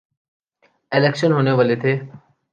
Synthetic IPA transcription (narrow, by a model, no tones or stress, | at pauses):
eleːkʃənɦoːneʋəlet̪ʰeː